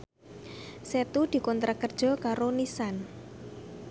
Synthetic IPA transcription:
set̪ud̪̥i̤kɔnt̪ɾʔakərd̥ʒ̥ɔ̤kaɾonisan

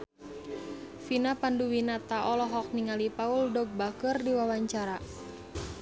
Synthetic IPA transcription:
finapanduwinat̪aʔɔlɔɦɔk̚niŋalipauldɔɡ̚bakɨrdiwawaɲt͡ʃaɾa

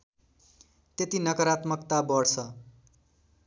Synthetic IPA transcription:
t̪et̪inʌkʌɾat̪mʌkt̪abʌɽt͡sʰʌ

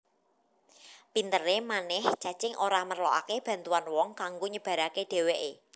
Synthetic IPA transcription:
pint̪əɾemanɪhd͡ʒ̥ä̤d̥t͡ʃɪŋʔoɾamərlɔʔa̰keb̥a̤nt̪uanwɔŋkaŋɡoɲəb̥ä̤ɾakeɖ̥e̤weʔe

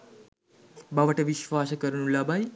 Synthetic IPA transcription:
baʋəʈeʋiʃʋaskəɾnũlabʱaj

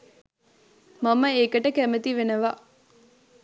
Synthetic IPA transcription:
mɐmɐeːkɐʈəkæmet̪iʋenɐʋaː

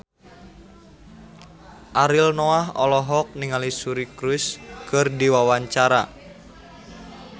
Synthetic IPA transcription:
ʔaɾilnoaɦɔlɔɦɔk̚niŋalisuɾikɾuskɨrdiwawaɲt͡ʃaɾa̰

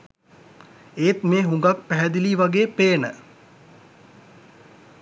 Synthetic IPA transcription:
eːt̪meːɦuŋɡak̚pæɦɛd̪iliːʋaɡeːpeːnə̰

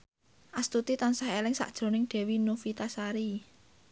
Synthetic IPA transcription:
ʔast̪ut̪it̪ansaɦelɪŋsa̰ʔd̥ʒ̥ɾo̤nɪŋɖ̥ɛ̤winufit̪asaɾi

